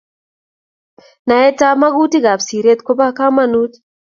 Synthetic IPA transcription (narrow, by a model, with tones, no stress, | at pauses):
na˨ɛ˦ta˦ma˦ɡu˦ti˦ɡa˨psi˨ɾe˦t̪ko˦ba˦ka˦ma˦nu˦t